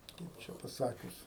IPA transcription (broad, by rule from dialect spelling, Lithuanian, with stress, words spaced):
ˈkɐɪp t͡ʃʲɛ pɐˈsɑːkʲʊs